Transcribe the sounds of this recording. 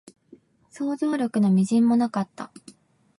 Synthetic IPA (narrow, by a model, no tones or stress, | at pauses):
so̞ːzoɾʲo̞kɯ̟no̞mʲiʑĩmːo̞nakat̪ːa̰